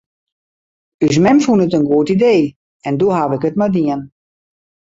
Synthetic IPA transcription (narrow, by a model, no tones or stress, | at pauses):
ys̬mɛmfunətənɡuətideː | ɛndoɦaʋɪkətmadiən